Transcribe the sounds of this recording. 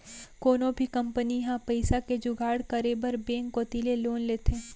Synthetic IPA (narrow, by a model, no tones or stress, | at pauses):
koːnõbʱikɐ̃mpəniɦãpɐɪsaked͡ʒʊɡaːɽkəɾeːbəɾbẽːŋkoːt̪ileloːnleːt̪ʰeː